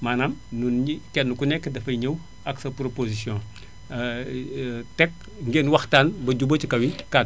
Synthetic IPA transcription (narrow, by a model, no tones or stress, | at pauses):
maːnamnunɲikɛnːukunɛkːdɐfɐɲəw | ɐksɐpɾopozisjɔ̃ | tɛk̚ | ŋɡeːnwɐxtaːnbɐɟubɐt͡ʃikɐwika